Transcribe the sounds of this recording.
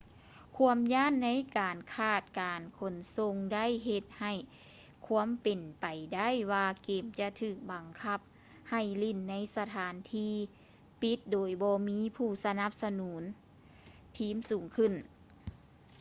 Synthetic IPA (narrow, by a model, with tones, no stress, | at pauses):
kʰu˧˥əmjaː˧˥˨nːa˧˥jkaː˨˩nkʰaː˧˩t̪̚kaː˨nkʰo˨˩nso˧ŋda˥˨jɦe˧t̪̚ha˧˩j | kʰu˧˥əmpe˨npa˨˩jda˥˨jwaː˧keː˨˩mt͡ɕa˧t̪ʰɯː˧˩k̚ba˨ŋkʰa˧˩p̚ | ha˧˨˩jli˧˩nːa˧˥jsa˧t̪ʰaː˨˦nt̪ʰiː˧ | pi˧˦t̪̚doː˨˩jbɔː˧miː˧˥pʰuː˧˩sa˧na˧˦p̚sa˧nuː˨˦n | t̪ʰiː˧˥˨msuː˨˩˦ŋkʰɯ˧˩n